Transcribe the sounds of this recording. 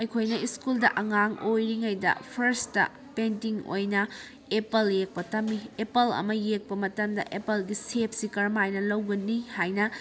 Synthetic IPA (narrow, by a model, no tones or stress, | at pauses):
ɐjkʰojnɐiskuldɐʔɐŋaŋojɾiŋɐjdɐ̰pʰɐɾstɐ̰ | pentiŋo̰jnɐ | epɐljek̚pɐtɐmːiepɐlɐ̰mɐjek̚pɐmɐtɐmdɐ̰ʔepɐlɡisep̚ʰsikɐɾmajnɐlɐwɡɐnihajnɐ